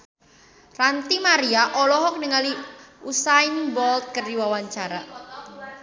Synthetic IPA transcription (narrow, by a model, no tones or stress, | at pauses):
rant̪imaɾiaʔɔlɔɦɔk̚nəŋaliusainbɔlt̪̚kərdiwawaɲt͡ʃaɾa